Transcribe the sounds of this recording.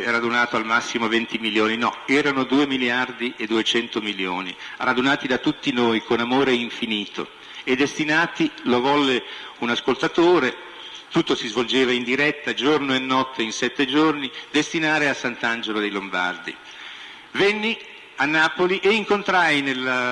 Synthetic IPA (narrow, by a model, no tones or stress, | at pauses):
ɾad̪unaːt̪oalmasːimovent̪imiljoːninɔɛːɾanod̪uːemiljard̪iʔed̪ːuet͡ʃɛnt̪omiljo̰ːnirad̪unaːt̪id̪at̪ːut̪ːinoːjkonamoːɾeiɱfiniːt̪o̰ | ed̪ːest̪inaːt̪ilovɔlːe | unaskolt̪at̪oːɾe | t̪ut̪ːosizvold͡ʒeːvaind̪iɾɛt̪ːad͡ʒornoenːɔt̪ːeinsɛt̪ːed͡ʒornid̪est̪inaːɾeasant̪and͡ʒelod̪ejlomba̰rd̪ḭ | venːi | anːaːpoliʔeiŋkont̪ɾajnel